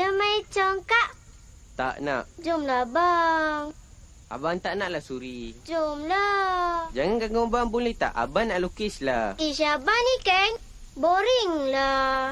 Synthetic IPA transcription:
dəmajt͡ʃəŋkaʔ | t̪a̰ʔna̰ʔd͡ʒumlabaŋ | ʔa̰baŋt̪aʔnaʔlahsuɾid͡ʒumlad͡ʒaŋanɡaɡobaŋbulɛt̪a̰ʔa̰banːaʔlukislaiʃabanikən | boɾiŋla

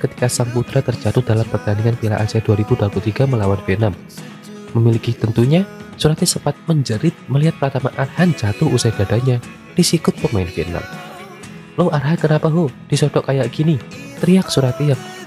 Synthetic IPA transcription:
kət̪i̥kasaŋput̪ɾat̪ərd͡ʒat̪ʊhd̥alampərt̪aniŋanpila̰ʔaziaduaɾib̥uduaput̪iɡaməlawanfenamː | əmilikit̪ənt̪uɲasuɾat̪̚ɲasəpat̪̚məɲd͡ʒəɾɪt̪̚məliɦat̪̚plat̪amaʔarhand͡ʒat̪ʊhusad̥adaɲa | d̥isikʊt̪̚pəmaɪnfena̰m | loʔarɦankənapaɦod̥isɔdɔʔkajaʔkinit̪ɾiak̚suɾat̪ijaŋ̚

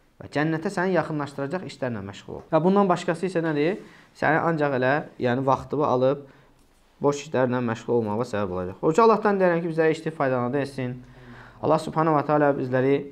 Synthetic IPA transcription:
væ̰d͡ʒænːæt̪ʰæsænijɑχɯnlˠɑʃt̪ɯɾɑd͡ʒɑχiʃlæɾnæ̰nmæʃʁ̥ṵl̰ˠlˠu̥̰væbund̪ɑnbɑʃkɑsɯisænæd̪i | sæ̰nḭʔɑnd͡ʒɑχelæjæːnivɑχt̪ɯbɯʔɑ̰lˠɯb̚ | bo̞ʃi̥ʃlæɾinænmæʃʁulˠolˠmɑʁʁsæbæbo̞lˠɑd͡ʒɑχot͡ʃʰuɑlˠːɑhd̪ɑnd̪ejæɾæmcʰibizlæɾiiʃt̪ipfɑjd̪ɑlˠɑnd̪ɯesinɑ̰lˠːɑhsubhɑnɑuwɑt̪ʰæɑlɑbizlæɾi

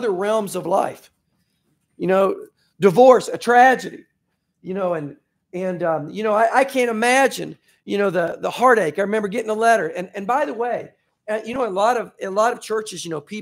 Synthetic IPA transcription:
ðə˞ɹɛlˠmzʌvla̰ɪf | jɨnoʊ | dɨvɔɹsɨtʰɹ̥æd͡ʒɨɾḭ | jɨnoʊɨ̃n | ɨ̃nʌ̃mjɨnoʊaɪʔaɪkʰæ̃ntɨmæd͡ʒɨ̰̃n | jɨñoʊðɨðəhɑɹɾeɪkaɪɹɨmɛ̃mbə˞ɡɛɾɪ̃ŋəlɛɾə˞ɨ̃nɨ̃nbaɪðəweɪ | ʌjɨnoʊəlɔɾʌvɨlɔɾʌv̥t͡ʃʰɜ˞t͡ʃɨzjɨnoʊpʰi

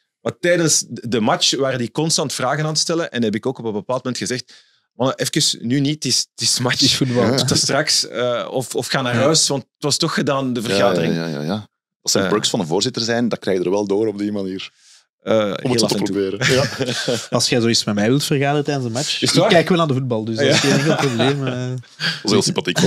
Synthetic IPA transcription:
matɛjdənsdəmɑt͡ʃʋaːɾəndikɔnstɑntfraːɣənaːntə̥stɛlənʔɛnɦɛbɪkoːkɔpənbəpaːlˠt̚momɛntxəzɛxt | mɑnəʔɛfkəsnynitɪstɪsəmat͡ʃəsfud̚bɑlˠtəstrɑksəɔfɔfxaːnaːrɦœːsʋɑntətʋɑstɔxədaːndəvərɣaːdərɪ̰ŋja̰ja | ɑtsɛbɾʊksfɑndəvoːrzɪtərzɛjndɑkrɛːɣdərʋɛlˠdoːɾɔb̚dimaniːr | ə̰ːɔmeltəpɾotbeːɾəj | ɑlˠsxɛzoːitsmɛmɛjʋɪlˠtfərɣaːdərətɛːdənzdəmat͡ʃakɛːkʋɛlˠnaːndəvud̚bɑlˠdʏsjeveːlˠprobleːmə | ɑseːlsɪmpɑtik

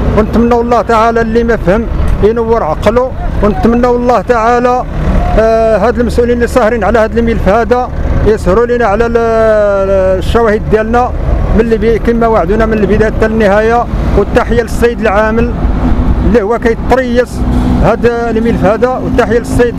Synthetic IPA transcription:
wnət̪mənːæwəlˤːɑht̪aʕalælːiməfhəmjnəwːəɾʕɑqlu | wnət̪mənːæwlˤːɑht̪aʕalæ | ɦæd̪əlməsʔulinlisˤɑhɾinʕlæhæd̪əlmilfhæd̪æjəshɾulinaʕlæ | ʃːæwæhəd̪ːjælnæ | mənlːibikəmːæwaʕd̪unæmənəlbəd̪æjt̪ːælənːəhæjawət̪ːaħəjaləsˤːjd̪əlʕaməl | əlːihʊwːækæjt̪ˤːɾijːəshæd̪lmilfhæd̪æwət̪ːaħəjælsːid̪

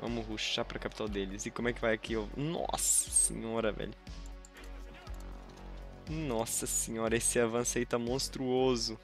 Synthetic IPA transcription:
ɐ̰̃mʊɦuʃapɾɐkapi̥t̪awd̪elɪzɪkõmʊɛkɪvajakʰiewnɔ̰sɐ̥sḛ̃ɲɔɾɐvɛ̰ʎʊ | nɔsɐsẽɲɔɾɐesɪavɐ̃sʊait̪ãmõst̪ɾuozʊ

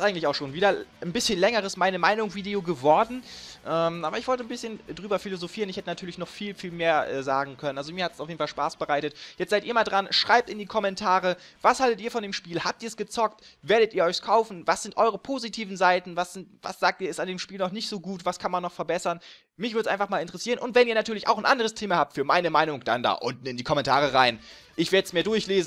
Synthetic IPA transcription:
ɪsʔaɪŋ̩tlɪçaʊxʃoːnviːdɐnbɪsçənlɛŋəʁəsmaɪnəmaɪnʊŋv̥iːdeoɡəvɔɐdn̩ʔɛːmʔaːbɐɪçv̥ɔltənbɪsçəndʁyːbɐfilozofiːʁənɪçhɛtənatʰyɐlɪçnɔχfiːlfiːlmeːɐʔɛ̰ːzaːɡŋ̩kʰœnənʔalzomiːɐhatsaʊfjeːdn̩falʃpaːsb̥əʁaɪtətjɛt͡stz̥aɪtʔiːɐmaːldʁanʃʁ̥aɪp̚tɪndiːkʰɔmɛntʰaːʁəvashaltətiːɐfɔndeːmʃpiːlhaːp̚tiːɐsɡ̥ət͡sɔk̚tveːɐɾətiːɐɔʏçskʰaʊfn̩vasz̥ɪntʔɔʏʁ̞əpʰoːzitʰiːvn̩zaɪtn̩vasz̥ɪntva̰sz̥aːk̚tiːɐɛsandeːmʃpiːlnɔχnɪçtz̥oːɡuːtv̥askʰanmanːɔχfɛɐbɛsɐn | mɪçv̥ɪɐəsʔaɪnfaχmaːlɪntəʁəsiːʁənʔʊntv̥ɛniːɐnatʰyːɐlɪça̰ʊxnʔandəʁəstʰeːmahaːp̚tfyːɐmaɪnəmaɪnʊŋd̥a̰nda̰ːʔʊntn̩ɪndiːkʰɔmɛntʰaːʁəʁaɪn | ʔɪçv̥eɐdəsmeːɐdʊɐçleːzn̩

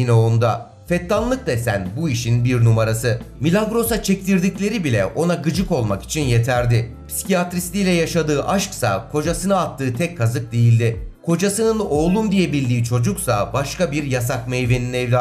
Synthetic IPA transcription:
inɛo̞nd̪a | fɛt̪lanlˠɯk̚d̪asænbuiʃinbiɾnumaɾasɯmilʲaŋɡɾo̞sat͡ʃʰɛc̚t̪iɾd̪iclʲe̞ɾibilʲɛ̰ʔo̞naɡɯd͡ʒɯko̞lˠmaki̥t͡ʃʰinje̞t̪ʰæɾd̪ɪ | pʰsi̥cʰiat̪ɾislʲiːlʲɛjaʃad̪ɯːʔaʃksa̰kʰo̞d͡ʒasɯnɯat̪ʰːɯːt̪ʰɛcʰːazɯk̚d̪ejilʲd̪ɪkʰo̞d͡ʒasɯnɯno̞ːlˠumd̪ijebilʲd̪iːt͡ʃʰo̞d͡ʒuksabaʃkabiɾjasakmejveninɛvlʲa

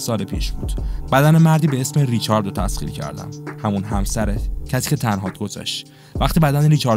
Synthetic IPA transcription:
sɒːlepʰiːʃb̥uːd̪̥bæd̪ænemæɾd̪iːbeesmeɾit͡ʃʰɒːɾd̪ot̪ʰæsχḭːɾcʰæ̰ɾd̪æ̰mhæmunɦæmsæɾecʰæsi̥ːcʰe̞t̪ʰænɦɒːd̪ɡo̞zɒ̰ʃt̪ | væχt̪ibæd̪æneɾit͡ʃʰɒːɾ

